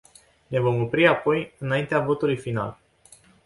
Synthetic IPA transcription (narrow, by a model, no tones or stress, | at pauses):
ne̞vo̞mo̞pɾiapo̞jɨnaint̪eavo̞t̪ulujfina̰l